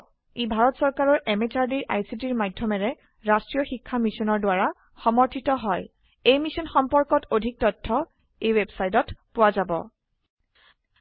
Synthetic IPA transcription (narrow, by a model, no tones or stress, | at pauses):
ibʱaɹɔtsɔɹkaɹɔɹʔɛmet͡ʃaɹdiɹʔa̰jsitiɹmadʱjɔmɛɹɛ | ɹastɹijɔxikʰːamisɔnɔɹdʊwaɹa | xɔmɔɹtʰitɔɦɔj | ejmisɔnxɔmpɔɹkɔtodʱik̚tɔtʰːɔ | ejwɛbsajtɔtpʊwazabɔ̰